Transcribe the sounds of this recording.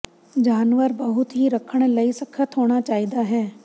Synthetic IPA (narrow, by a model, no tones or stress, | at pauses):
d͡ʒaːnʋəɾbəɦʊt̪ɦiɾəkʰəɽ̃ləisəkʰət̪ɦoːɽ̃at͡ʃaːiːd̪aːɦɛː